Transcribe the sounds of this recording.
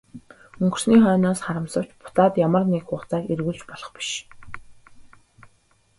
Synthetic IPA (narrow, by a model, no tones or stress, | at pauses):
ɵŋɡɵ̆rsniːχœːnɔːsχaɾə̆msə̆w̥t͡ɕpʊ̥t̪aːt̪jamə̆rnekχʊːχt͡saːerɣuːɮt͡ɕpɔɮɞ̆χpi̥ʃ